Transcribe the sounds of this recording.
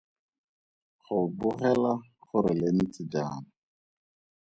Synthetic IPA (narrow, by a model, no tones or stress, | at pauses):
χʊbʊχɛlaχʊɾɪlen̩t͡sʼɪd͡ʒaːna